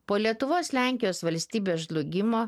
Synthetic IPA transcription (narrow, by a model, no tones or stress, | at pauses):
poːlʲiɛt̪ʊʋoːslʲæˑŋʲkʲɪjoːsʋɐlʲsʲt̪ʲiːbʲeːsʒlˠʊɡʲɪmoː